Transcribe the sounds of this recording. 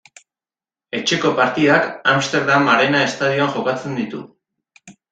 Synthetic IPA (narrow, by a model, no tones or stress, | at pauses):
e̞t͡ʃe̞ko̞paɾt̪iðakamst̪e̞ɾðamaɾe̞nae̞st̪aðioaŋxo̞kat͡se̞nd̪it̪ṵ